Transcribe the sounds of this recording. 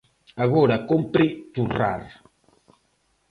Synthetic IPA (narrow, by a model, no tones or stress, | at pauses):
aɣɔɾakompɾit̪ura̰ɾ